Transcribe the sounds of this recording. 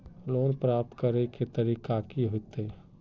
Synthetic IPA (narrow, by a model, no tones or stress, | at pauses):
loːnpɾaːp̚t̪kəɾeket̪əɾikakiɦot̪e